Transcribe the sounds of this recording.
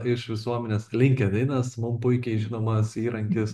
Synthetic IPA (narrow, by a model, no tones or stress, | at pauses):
ɪʃʋʲɪsuɔmʲɛnʲeːslʲɪŋʲkʲɛd̪ɛɪnɐsmʊmpʊɪkʲɛɪʒʲɪnoːmɐsiːɾɐŋʲkʲɪs